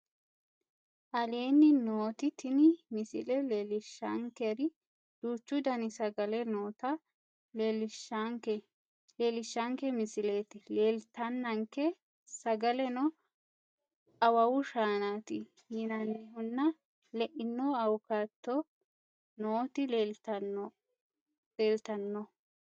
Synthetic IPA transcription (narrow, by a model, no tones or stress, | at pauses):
ʔɐleːnːɪnoːt̪ɪt̪ʰɪnɪmɪsɪlɛlelɪʃːɐ̰ŋkɛɾɪ | d̪̥uːt͡ʃːʊd̪ɐnɪsɐɡɐlɛnoːt̪ɐ | lelɪʃaŋkɛ | leːlɪʃːɐŋkɛmɪsɪleːt̪ɪleːlt̪ɐnːɐŋkɛ | sɐɡɐlɛnɔ | ɐwɐwʊʃaːnat̪ɪ | jɪnɐnːɛɦʊnːɐ | lɛʔɪnːoɐwkat̪ːɔ | noːt̪ɪleːlt̪ɐn | leːlt̪ɐnːɔ